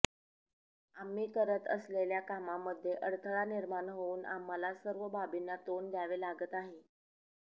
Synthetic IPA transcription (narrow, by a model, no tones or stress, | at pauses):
amːiːkəɾət̪ə̰sleljakamamːəd̪ʱːjeʔəɽt̪ʰəɭaniɾmanɦouːna̰malasəɾʋəbʱabinːat̪ond̪jaʋelaɡət̪aɦe